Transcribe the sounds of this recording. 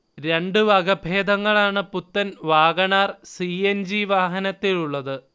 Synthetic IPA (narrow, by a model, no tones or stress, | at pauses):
ɾe̞ɳɖɨʋɐɡɐbʱeːd̪ɐŋːɐɭaːɳɨput̪ːɐnʋaːɡɐɳaːrsiend͡ʑiʋaːɦɐnɐt̪ːiluɭːɐðɨ